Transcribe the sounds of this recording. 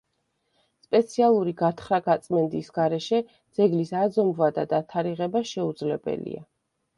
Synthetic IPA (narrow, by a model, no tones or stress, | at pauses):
spʼɛt̪sʰialˠuɾiɡat̪ʰχɾaɡat̪sʼmɛnd̪isɡaɾɛʃɛ | d̪z̥ɛɡlisad̪zɔmbvad̪ad̪at̪ʰaɾiʁɛbaʃɛud̪zlɛbɛ̰lḭa̰